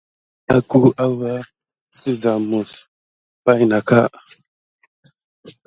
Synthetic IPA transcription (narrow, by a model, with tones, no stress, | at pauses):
a˦ku˦ʔa˦wa˦ | su˦za˨mu˨s | pa˦i˨na˨ka˦